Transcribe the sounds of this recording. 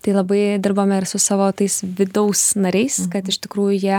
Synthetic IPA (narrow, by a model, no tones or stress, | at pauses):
t̪ɐɪlˠɐbɐɪd̪ʲɪɾboːmʲɛɪɾsʊsɑːʋoːt̪ɐɪsʋʲɪd̪ɐʊsnɐɾʲɛɪskɐt̪ɪʃt̪ʲɪkɾuːjʊjiɛ